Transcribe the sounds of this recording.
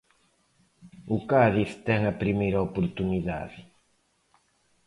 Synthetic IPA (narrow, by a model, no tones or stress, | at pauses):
ʊkaðiθt̪ɛŋɐpɾimejɾɐopoɾt̪uniða̰ðɪ